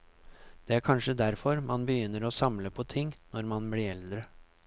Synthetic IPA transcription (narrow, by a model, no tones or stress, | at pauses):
d̪̥ɛæːɾkʰɑnʂəd̪æɾfɔɾmɑnbəjʏnːəɾosɑmləpʰɔt̪ʰɪŋːnɔɾmɑnbliːɾɛld̪ɾə